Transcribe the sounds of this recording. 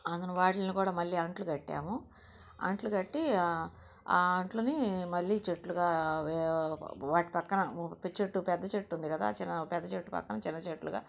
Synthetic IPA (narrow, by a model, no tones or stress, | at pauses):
ɐnd̪ɐnɐʋaːʈlɐnikuːɽaːmɐlːiːɐɳʈlukɐʈːa̰ːmu | ɐ̰ɳʈlukɐʈːi | ɐɳʈlunimɐlːiːt͡ʃeʈːluɡaː | ʋaːʈipɐkːɐnɐpit͡ʃeʈːupɛd̪ːɐt͡ʃeʈːund̪ikɐd̪a̰ːt͡ʃinːɐpɛd̪ːɐt͡ʃeʈːupɐ̰kːɐnɐt͡ʃɪnːɐt͡ʃeʈluɡa̰ː